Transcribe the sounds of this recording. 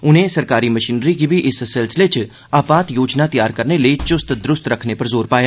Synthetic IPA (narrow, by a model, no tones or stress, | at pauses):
ʊn̤ɦẽsɐɾkaːɾimɐʃiːnɾik̬ibʱiʔɪssɛlsɪlet͡ʃ | aːpaːt̪joːd͡ʒnat̪ɐjaːɾkɐɾneləit͡ʃʊst̪d̪ɾʊst̪ɾɐkʰnepɐɾzoːɾpaːjaː